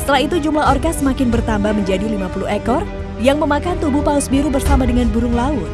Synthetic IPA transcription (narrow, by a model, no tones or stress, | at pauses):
sət̪əlahit̪ud͡ʒumlahɔrkasəmakɪnbərt̪ambahməɲd͡ʒadilimapuluhekɔr | jaŋməmakant̪ubupaʊsbiɾubərsamadəŋanbuɾʊŋlaʊt̪̚